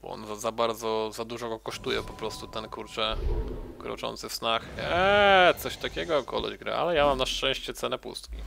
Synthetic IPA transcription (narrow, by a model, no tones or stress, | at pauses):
b̥ɔ̰ɔ̰nzazabaɾd̪zɔzad̪uʐɔɡɔkɔʂt̪ujɛpɔpɾɔst̪ut̪ɛnkuɾt͡ʂɛkɾɔ̰t͡ʂɔ̰nt̪sɘfsnaxɛt̪sɔɕt̪akʲɛɡɔkɔ̰lɛ̰ʑɡɾa̰ʔa̰lɛjamamnaʂɛ̃w̃ɕt͡ɕɛt̪sɛnɛpṵst̪kʲi